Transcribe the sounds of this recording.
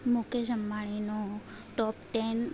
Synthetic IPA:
moked͡ʒəmːaɭ̃ino | ʈɔpʈɛn

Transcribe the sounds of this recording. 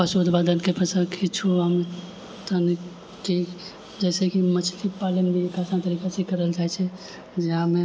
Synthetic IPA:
pəsod̪ʱbad̪ənkepəsə̃kʰit͡ʃʰuame | t̪ən | ki | d͡ʒɛːsekimət͡ʃʰlipalembʱiekasant̪əɾiːkasekəɾəld͡ʒaːɛt͡ʃʰɛ | d͡ʒɪɦãmẽ

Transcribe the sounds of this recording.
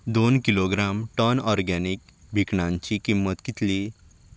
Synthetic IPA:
d̪onkiloɡɾamʈənɔɾɡanikbʱikɳãɲt͡ɕikimːət̪kit̪li

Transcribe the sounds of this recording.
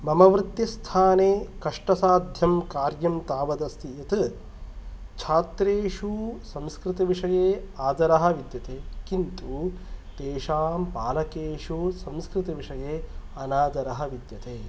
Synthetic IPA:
mɐmɐʋɾɪt̪jist̪ʰaːneːkɐʂʈɐsaːd̪ʱjɐmkaːɾjɐmt̪aːʋɐd̪ɐst̪ijɐt̪ɨ | t͡ʃʰaːt̪ɾeːʂusɐ̃mskɾɪt̪ɐʋiʂɐjeːaːd̪ɐɾɐɦɐ̆ʋid̪jɐt̪eːkint̪uːt̪eːʂaːmpaːlɐkeːʂusɐmskɾɪt̪ɐʋiʂɐjeː | ɐnaːd̪ɐɾɐɦɐʋid̪jɐt̪eː

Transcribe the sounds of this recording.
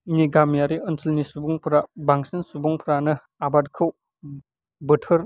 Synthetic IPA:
niɡamjaɾiənsilnisubuŋpʰɾabaŋsinsubuŋpʰɾanɯ | abadkʰɯw | bɯtʰɯɾ

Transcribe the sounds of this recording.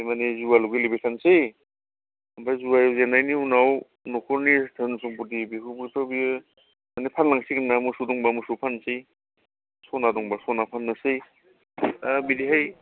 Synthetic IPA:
manezuwaluɡilibetʰansej | ambajzuwajzenajniunaw | nɔkʰɔɾnitʰɯnsɔŋput̬ibikʰubitʰɔbi | manepʰanlaŋsiknamusudɔŋbamusupʰansi | sɔnadɔŋbasɔnapʰanːasej | abidiɦaj

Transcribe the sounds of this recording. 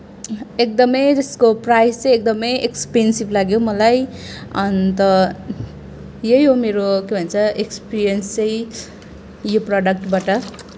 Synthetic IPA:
ek̚d̪ʌmʌjd͡zʌskoprajst͡sʌ̃jek̚d̪ʌmʌjʔekspensiblaɡjowmʌlajʌnt̪ʌ | jejɦomeɾokebʱʌnt͡sʰʌekspiɾijʌnst͡sʌj̃ | joprʌɖʌk̚ʈbaʈʌ

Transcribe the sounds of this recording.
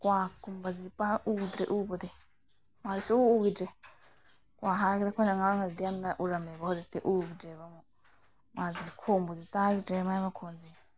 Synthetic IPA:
kʷãkumbazipaʔud̪ɾeʔuːbod̪i | mãisiuuɡidɾe | kʷãɦakid̪akʰʷẽnaŋaŋaid̪amnaʔuɾamẽbaozit̪eʔuːɡid͡ʒeβamõ | mãzikʰombozit̪aɡiemãimãkʰond͡zi

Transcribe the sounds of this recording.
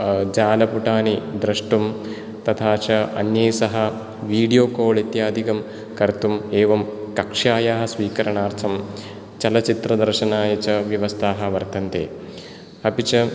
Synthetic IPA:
d͡ʒaːlɐpuʈaːnid̪ɾɐʂʈum | t̪ɐt̪ʰaːt͡ʃɐɐ̰njɐːsɐɦɐ | ʋiːɖijoːkoːɭit̪jaːd̪ʱikɐm | kɐɾt̪umeːʋɐmkɐkʂaːjaːɦɐ̆sʋiːkɐɾɐɳaːɾt̪ʰɐm | t͡ʃɐlɐt͡ʃit̪ɾɐd̪ɐɾʃɐnaːjɐt͡ʃɐʋjɐʋɐst̪ʰaːɦɐ̆ʋɐɾt̪ɐnt̪ḛː | ɐpit͡ʃɐ

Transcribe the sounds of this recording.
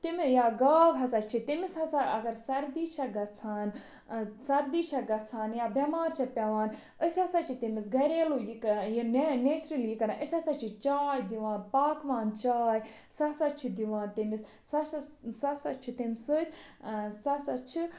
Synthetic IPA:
t̪imijaːɡaːʋɦɐsɐt͡ʃʰit̪imishɐsaʔɐɡɐɾsɐɾd̪iːt͡ʃʰɐɡɐt͡sʰaːn | sɐɾd̪iːt͡ʃʰɐɡɐt͡sʰaːnjaːbɐmaːɾt͡ʃʰipʲɐʋaːn | əsʲɐsɐt͡ʃʰit̪imisɡɐɾeːlujikjinnesɾiljikɐɾaʔəsʲɐsɐt͡ʃʰit͡ʃaːjd̪iʋaːnpaːkʋaːnt͡ʃaːjsɐsɐt͡ʃʰid̪iʋãːnt̪imis | sɐsɐsɐsɐt͡ʃʰit̪imsət̪ʰsɐsɐt͡ʃʰi

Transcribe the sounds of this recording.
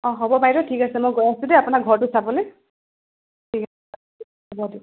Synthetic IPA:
ɔ̃ɦɔbɔpajɾɔtʰikasɛmojɡojasũdɛapʊnaɡʱɔɹtʊsabɔle | tʰikasɛ | ɔbɔdiʊ

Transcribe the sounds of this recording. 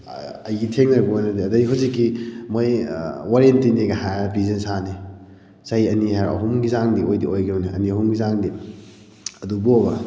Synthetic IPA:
ɐjɡitʰeŋnɐɾɡuanɐdiɐdɐɡiɦuwzikːimojwaɾientiniɡaɦajpizɐnsani | sajɐniɦaɾɐ̰ɦumɡizaŋdiojdiojɡɐnuniɐ̰niɐɦumɡizaŋdi | ɐdubuobɐ

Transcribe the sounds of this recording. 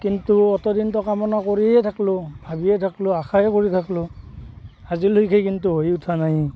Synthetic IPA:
kintuɔtɔdintɔkamɔnakoɹiɛɛtʰaklʊbʱabiɛtʰaklʊaxʰaɛkoɹitʰaklʊ | azilojkʰejkintuɦojutʰanaj

